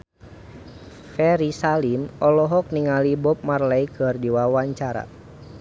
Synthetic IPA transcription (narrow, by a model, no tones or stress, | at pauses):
fɛɾisalimɔlɔɦɔk̚niŋalibɔp̚marlɛikʰɨrdiwawaɲt͡ʃaɾa̰